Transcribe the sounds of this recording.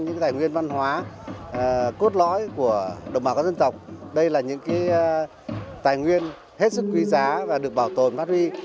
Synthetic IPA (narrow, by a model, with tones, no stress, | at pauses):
ɲɨ̰˧˥ŋ˨˦t̪aː˨˩jŋwi˧ənva˧nɦwaː˨˦˨ | ku˦˥ət̚lɔ̰˧˥jku˧˩əɗə˨˩wŋ͡mɓaː˧˩kːzə˧nt̪ə˨˩wk͡p̚ɗə˧jlaː˨˩ɲɨ̰˧˥ŋkaː˨˦j | t̪aː˨˩jŋwi˧ən | he˦˥t̚sɨ˦˥k̚ːwi˨˧˦zaː˨˦vaː˨˩ɗɨ˨˩ək̚ɓaː˧˩wt̪o˨˩nfa˦˥t̚hwi˧